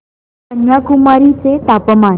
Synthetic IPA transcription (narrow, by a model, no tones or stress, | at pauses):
ənjakumaɾit͡set̪apəma